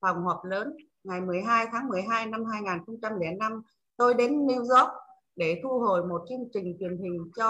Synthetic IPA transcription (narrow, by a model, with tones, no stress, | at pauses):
fa˨˩wŋ͡mhɔː˨˩p̚ləː˨˦n | ŋa˨˩jmɨ˨˩əjɦaː˧jt̪ʰaː˨˦ŋmɨ˨˩əjɦaː˧jna˧mɦaː˧jŋaː˨˩nxə˧wŋ͡mt͡ɕa˧mlɛ̰˧˩na˧m | t̪o˧jɗe˨˦nːi˧wzɔ˦˥k̚ | ɗe˧˩t̪ʰu˧ɦo˨˩jmo˨˩t̚t͡ɕɨ˧əŋt͡ɕï˨˩ŋ̟t͡ɕwi˨˩ənɦï˨˩ŋ̟t͡ɕɔ˧